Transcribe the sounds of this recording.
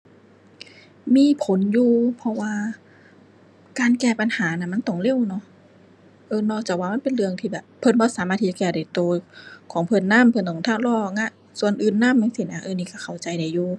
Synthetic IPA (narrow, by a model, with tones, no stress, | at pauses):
miː˧˥˨pʰo˨˦njuː˧pʰɔ˧waː˧ | kaː˧˨nkɛː˧˩pa˧˨nhaː˨˦na˧˩ma˧˥˨nt̪ɔ˧˩ŋle˧˥˨wnɔ˧˥˨ | ʔɤː˧nɔː˧˩k̚t͡ɕaː˨˩k̚waː˧ma˧˥˨npe˨nlɯ˧əŋt̪ʰiː˧bɛː˨˩pʰːɤ˧˨nbɔː˧˦˨saː˨˦maː˧t̪ʰi˧t͡ɕa˧kɛː˧˩da˨˩jt̪oː˧kʰɔː˨˦ŋpʰɤ˧˨nːa˧˥˨mpʰnt̪ʰɔː˨˩t̪ʰaː˧˥˨wlɔː˧˨˧ŋa˧˥˨ʔ | su˧ənʔɯː˧nːaː˧˥˨mːa˧˥˨ŋsiː˧˩nʔa˧˨ʔɤː˧˨niː˧˩ka˧˩kʰa˨˩wt͡ɕa˧jda˨˩jːuː˧